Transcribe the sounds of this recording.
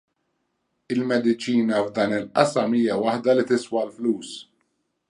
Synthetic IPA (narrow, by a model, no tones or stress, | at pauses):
ɪlmɛd̪ɪt͡ʃiːnɐvd̪ɐːnɪlʔɐsɐmiːjɐwɐħd̪ɐlit̪ɪswɐlfluːs